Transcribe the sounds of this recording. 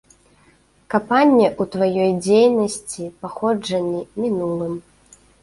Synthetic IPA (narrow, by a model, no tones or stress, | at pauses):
kapanʲːɛʔut̪vajɔjd͡zʲejnɐsʲt͡sʲipaxɔd͡ʐɐnʲːimʲinulˠɨm